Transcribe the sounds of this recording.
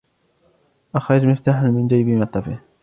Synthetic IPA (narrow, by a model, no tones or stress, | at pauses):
ʔaxɾˤɑd͡ʒmɪft̪aːħanmɪnd͡ʒajbimɑt̪ˤːɑfɪh